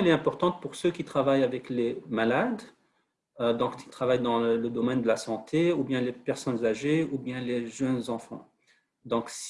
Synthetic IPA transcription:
ɛlɛɛ̃pɔʁt̪ɑ̃t̪̚puʁsøkʲit̪χavajavɛklemalad̪ | ød̪ɔ̃kit̪χavajd̪ɑ̃ləd̪ɔmɛnd̪əlasɑ̃t̪ʰeubjɛ̃lepɛʁsɔnzaʒeubjɛ̃leʒənzɑ̃fɑ̰̃ | d̪ɔ̃ks

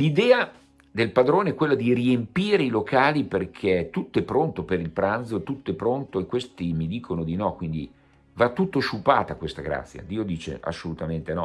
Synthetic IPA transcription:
lid̪ɛːa | d̪elpad̪ɾoːneɛkːwelːad̪iriempiːɾeilokaːliperkʰet̪ut̪ːoɛpːɾont̪opeɾilpɾant̪zoet̪ut̪ːoɛpːɾont̪oekwest̪imid̪iːkʰonod̪inɔkːwind̪ḭ | vat̪ːut̪ːoʃupaːt̪akwest̪aɡɾa̰t̪sːja̰d̪iːod̪iːt͡ʃḛa̰sːolut̪ament̪enɔ

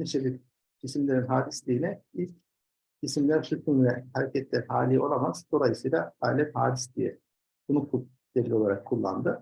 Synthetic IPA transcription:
niʃebiɾ | isimlʲe̞ɾinɦaːd̪islʲiːnɛilʲc | isimlʲæɾsyt̪ʰynvɛhaɾecʰɛt̪lʲæɾhaːlʲijo̞lˠamazd̪̥o̞lˠajɯsɯjlˠaaːlʲɛt̪haːd̪islʲijɛ̰ | bunuk̪ˠu | eɾlʲio̞lˠaɾakʰːulˠːa̰nd̪ɯ

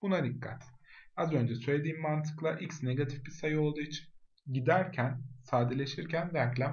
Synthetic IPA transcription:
b̥unad̪ikʰːa̰t̪azø̞nd͡ʒɛsø̞jlʲed̪iːmːant̪ʰɯ̥klˠaʔicsne̞ɡat̪ʰifbisajɯo̞lˠd̪uit͡ʃʰi̥n | ɟid̪æɾcʰænsaːd̪elʲe̞ʃiɾcʰændæclʲæm

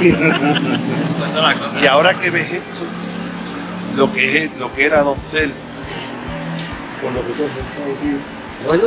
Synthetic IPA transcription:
et̪alakoiao̞ɾake̞βe̞ɦet̪ʰo | lokeɦelokeɾaðonθe̞l | koloket̪os̬et̪aðio | aɲ

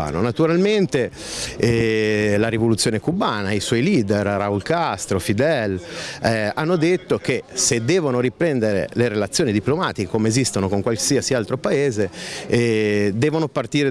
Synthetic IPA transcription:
a̰ːno̰nat̪uɾalment̪e | ɛlaɾivolut̪sːjoːnekubaːnaiswɔjliːd̪erraulkast̪ɾofid̪ɛlɛanːod̪et̪ːokesed̪ɛːvonoɾipɾɛnd̪eɾḛleɾelat̪sːjoːnid̪iplomaːt̪ikekomeezist̪onokoŋkwalsiːasialt̪ɾopaeːze | d̪ɛːvonopart̪iːɾe

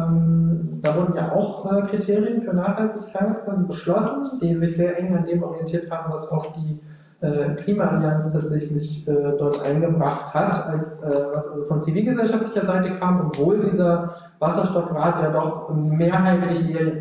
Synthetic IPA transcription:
ɛmd̥aːvʊɐdn̩ja̰ːʔa̰ʊxʔɛːkʁ̥itʰeːʁijənfyːɐnaːχhaltɪçkʰaɪtkʰv̥aːzibəʃlɔsn̩d̥iːzɪçz̥eːɐʔɛŋandeːmʔɔʁijɛntʰiːɐthaːbm̩vasaʊxd̥iː | ʔɛːkl̥iːmaʔaliant͡stʰaːtz̥ɛçlɪçʔɛːdɔɐtʔa̰ɪnɡəbʁaχthatʔalsʔɛːvasʔalzofɔnt͡siviːlɡəzɛlʃaftlɪçɐzaɪtəkʰaːmɔpv̥oːldiːzɐ | vasɐʃtɔfʁaːtjaːdɔχmeːɐɦaɪtlɪçʔeː

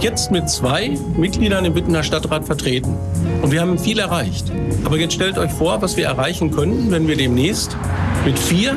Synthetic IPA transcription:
jɛt͡stmɪtt͡sv̥aɪmɪt̚ɡ̥liːdɐnɪmbɪtn̩ɐʃtatʁaːtfɛɐtʁ̥eːtn̩ʔʊntviɐhaːbmfiːlɛɐʁaɪçtʔaːbɐjɛt͡stʃtɛltʔɔʏçfoːɐvasv̥iːɐʔɛɐʁaɪçn̩kʰœntn̩vɛnviːɐdeːmnɛːst | mɪtfiːɐ

